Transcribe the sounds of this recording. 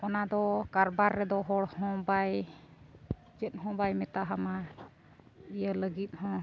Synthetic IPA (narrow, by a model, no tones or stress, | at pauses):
ɔnad̪ɔkaɾbaɾːɛd̪ɔɦɔɽhɔ̃baj | d͡ʒət̪̚ɦɔ̃bajmɛt̪aɦama | ijələɡit̪̚hɔ̃